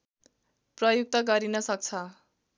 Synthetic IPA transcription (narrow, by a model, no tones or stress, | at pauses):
prʌjuk̚t̪ʌɡʌɾinʌsʌk̚t͡sʰʌ